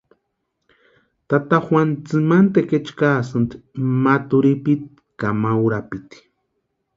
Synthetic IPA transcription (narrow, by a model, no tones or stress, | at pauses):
t̪at̪axwant͡sɨmant̪eket͡ʃkaːsɨnt̪mat̪uɾipit̪̚ | kamawɾapit̪i̥